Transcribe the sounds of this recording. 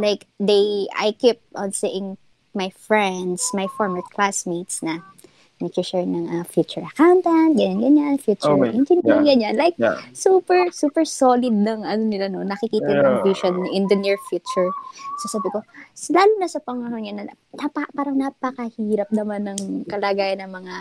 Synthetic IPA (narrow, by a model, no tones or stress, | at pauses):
lajkd̪eja̰jkip̚ʔɐnseʔɪŋ | majfɹɛnd̪smajfoɹmɛɹkʰlasmit̪snɐ | nɐkʊʃɛɹnɐŋʔɐfjut͡ʃʊɹʔɐkawnt̪ɛnt̪̚ɡɐɲanɡɐɲanfjuːt͡ʃʊʔɪnd͡ʒɛnɡɐɲːanlajk̚suːpɛɹsuːpɛɹsolɪd̪̚nɐŋʔɐnonɪlano̞nɐkɪkiːt̪ɐnkoŋpjuʃonːɐʔɪnd̪ɐnɪɹfjut͡ʃʊɹsosaːbɪko̞laːlʊnɐsɐpɐŋɐnoɲanɐ | napɐpaːɾɐŋnɐpɐkɐhiːɾɐp̚nɐmanːɐŋkɐlaːɡaːjɐnːɐŋmɐŋa